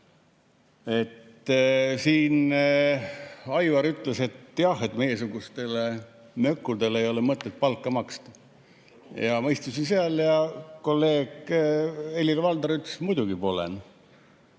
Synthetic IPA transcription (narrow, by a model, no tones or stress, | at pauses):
e̞t̪ː | siːn | ɑjvɑɾyt̪ˑle̞se̞t̪jɑhe̞t̪me̞je̞suɡust̪e̞le̞ | mø̞kːud̪e̞lejo̞lemɤt̪ːˑet̪̚pɑlkˑːɑmɑkst̪ɑ̥ | jɑmɤjst̪usinseɑljɑko̞lːe̞ːɡ̥ | elʲilvɑld̪ɑɾyt̪ːsmujd̪uɡipo̞lḛn